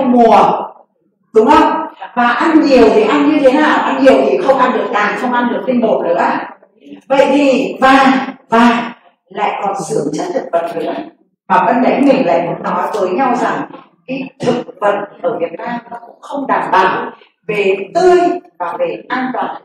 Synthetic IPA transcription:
mu˨˩ə | ɗʊ˨˦ŋ͡mxə˧wŋ͡mvaː˨˩ʔa˧nɲi˨˩əwt̪ʰi˨˩ʔa˧nɲɨ˧t̪ʰe˨˦naː˨˩wʔa˧nɲi˨˩əwt̪ʰi˨˩xə˧wŋ͡mʔaː˧nɗɨ˨˩ək̚t̪aː˨˩xə˧wŋ͡mʔa˧nɗɨ˨˩ək̚t̪i˧nɓo˨˩nɨ̰˧˥ə˦ | və̰˧˨jt̪ʰi˨˩vaː˨˩vaː˨˩ | la̰ː˧˨jkɔ˨˩nsɨ˨˦əŋt͡ɕə˦˥t̚t̪ʰk̚və̰˨˩t̚nɨ̰˧˥ə | vaː˨˩və˧nɗə˨˦jmï˨˩ŋ̟la̰ː˧˨jmu˨˦ənːɔ˨˦jt̪əː˨˦jɲa˧wza˨˩ŋ | kaː˨˦jt̪ʰɨ˨˩k̚və˨˩t̚ʔəː˧˩vi˨˩ət̚naː˧mnɔ˨˦kʊ̰˧˥ŋ͡mxə˧wŋ͡mɗaː˨˩mɓa̰ː˧˨w | ve˨˩t̪ɨ˧jɓaː˨˩və˨˦ʔa˧nɗɔ˨˦

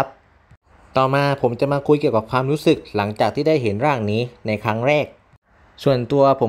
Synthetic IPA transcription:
p̚ | t̪ɔː˨˩maː˧pʰo˩˦mt͡ɕa˨˩maː˧kʰu˧jki˨˩əka˨˩kʰwaː˧mɾu˦˥sɯ˨˩k̚la˩˦ŋt͡ɕaː˨˩k̚t̪ʰiː˥˩da˥˩jɦe˩˦nɾaː˥˩ŋniː˦˥na˧jkʰa˦˥ŋɾɛː˥˩k̚ | su˨˩ənt̪u˧ɐpʰo˩˦

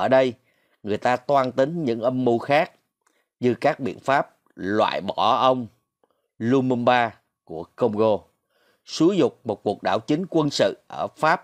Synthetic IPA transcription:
ʔəː˧˩ɗə˧j | ŋɨ˨˩əjt̪aː˧t̪waː˧nt̪ï˨˦ŋ̟ɲɨ̰˧˥ŋʔə˧mːu˧xaː˦˥k̚ | ɲɨ˧kaː˦˥k̚ɓḭ˧˨ənfaː˦˥p̚ | lwa̰ː˧˨jɓɔ˧˩ʔə˧wŋ͡m | lu˧mɨ˧nɓaː˧ | ku˧˩əkə˧wŋ͡mɣo˧ | su˨˦zʊ˨˩k͡p̚mo˨˩t̚ku˨˩ək̚ɗaː˧˩wt͡ɕï˨˦ŋ̟kwə˧nsɨ̰˧˨ʔəː˧˩faː˦˥p̚

